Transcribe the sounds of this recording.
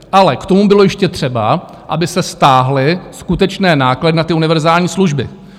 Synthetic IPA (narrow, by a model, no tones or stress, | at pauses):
ʔalɛkt̪o̞mubɪlo̞jɛʃcɛt̪r̝̥ɛba̰ | ʔa̰bɪsɛst̪aːɦlɪskut̪ɛt͡ʃnɛːnaːkladɪnat̪ɪunɪvɛɾzaːlɲiːsluʒbɪ̰